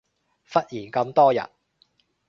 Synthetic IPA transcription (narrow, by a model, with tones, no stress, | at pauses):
fɐ˥t̚jiː˨˩nkɐ˧mt̪ɔː˥jɐ̰˨˩t̚